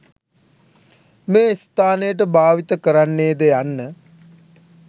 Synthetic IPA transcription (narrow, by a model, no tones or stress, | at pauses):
meːist̪aːnəjəʈ̬əbaːʋit̪əkəɾanːeːd̪əjanːə